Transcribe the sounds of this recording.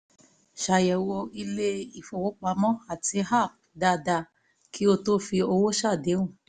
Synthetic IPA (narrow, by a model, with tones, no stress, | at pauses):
ʃa˨jɛ˨wo˧i˧le˦i˨fo˨wo˨˦k͡pa˧mɔ̃˦a˦˨ti˧˦ɦa˦˨p̚da˧da˧ | kʰi˦o˧to˦fi˧o˧wo˦ʃa˦˨de˨˦wũ˦˨